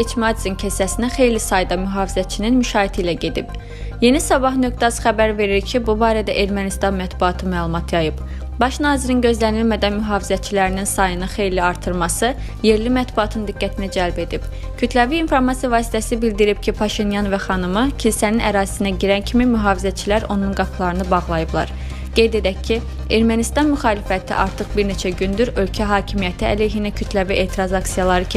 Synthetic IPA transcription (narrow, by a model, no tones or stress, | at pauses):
et͡ʃʰmɑd̪izincʰesæsinæxe̞jlisɑjd̪ɑmyɦɑːvizæt̪t͡ʃʰininmyʃɑːit̪ʰiilæɟe̞d̪ib̥ | je̞nisɑbɑɦnøkt̪ɑzχæbæɾve̞ɾiɾcʰibubɑːɾæd̪æʔe̞ɾmænist̪ɑnmæt̪buɑt̪ʰɯmæːlˠumɑt̪ʰjɑjɯb | bɑʃnɑːziɾinɟø̞zlænilmæd̪ænmyɦɑːvizæt̪̚t͡ʃʰilæɾininsɑjɯnɯxe̞jliɑɾt̪ʰɯɾmɑsɯ | je̞ɾlimæt̪buɑt̪ʰɯnd̪iɡːæt̪ʰinæd͡ʒælbe̞d̪ib̥ | cʰyt̪ʰlæviːnfo̞ɾmɑsijɑvɑːsi̥t̪ʰæsibild̪iɾibcʰipʰɑʃinjɑnvæχɑnɯmɯcʰilsæninæ̰ɾɑːzi̥sinæɟiɾæncʰimimyɦɑːvizæt̪t͡ʃʰilæɾo̞nunɡɑpʰlˠɑɾɯnɯbɑʁlˠɑjɯblˠɑ̰ɾ | ɡ̥e̞jd̪e̞d̪æcʰːi | e̞ɾmænist̪ɑnmyxɑːlifæt̪ʰḭʔɑ̰ɾt̪ʰɯχbiɾne̞t͡ʃʰæɟynd̪yɾø̞lcʰæɦɑːcʰimijæt̪ʰiæ̰lejɦinæcʰyt̪ʰlæviʔe̞ːt̪ʰiɾɑzɑksijɑlˠɑɾɯc